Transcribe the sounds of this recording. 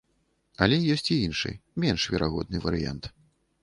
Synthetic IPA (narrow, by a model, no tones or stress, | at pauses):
ɐlʲɛjɔsʲt͡sʲiinʂɨ̰jmʲɛnʂvʲɛɾaɣɔ̰d̪nɨvɐɾɨja̰nt̪